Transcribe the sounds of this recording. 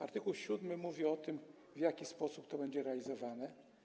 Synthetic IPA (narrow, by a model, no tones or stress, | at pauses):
a̰ɾt̪ɘkuwɕud̪mɘmuvʲiɔt̪ɘm | vʲjakʲispɔsupt̪ɔbɛɲd͡ʑɛɾɛalʲizɔvanɛ